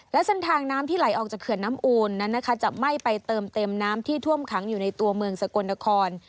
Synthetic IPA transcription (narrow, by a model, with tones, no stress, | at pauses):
lɛ˦˥se˦˥nt̪ʰaː˧ŋnaː˦˥mt̪ʰiː˥˩la˩˦jʔɔː˨˩k̚t͡ɕaː˨˩kʰɯ˨˩ənːaː˦˥mʔuː˧nːa˦˥nːa˦˥kʰa˦˥t͡ɕa˨˩ma˥˩jpa˧jt̪ɤː˧mt̪e˧mnaː˦˥mt̪ʰiː˥˩t̪ʰu˥˩əmkʰa˩˦ŋjuː˨˩na˧jt̪u˧ɐmɯ˧əŋsa˧ko˧nːa˧˥kʰɔː˧n